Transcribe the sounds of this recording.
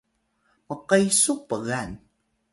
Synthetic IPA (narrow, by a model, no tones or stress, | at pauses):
məqəjsupəɣan